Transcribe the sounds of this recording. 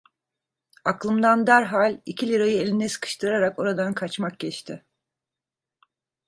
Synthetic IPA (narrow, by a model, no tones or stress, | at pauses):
aklˠɯmd̪and̪æɾɦalʲicʰilʲiɾajɯelʲinɛsɯ̥kʰɯ̥ʃt̪ʰɯɾaɾako̞ɾad̪ankʰat͡ʃmak̚ɟɛt͡ʃt̪ʰɪ